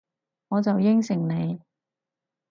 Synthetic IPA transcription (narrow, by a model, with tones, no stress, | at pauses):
ŋɔː˨˧t͡sɐ˨wjɪ˥ŋsɪ˨˩ŋne˨˧j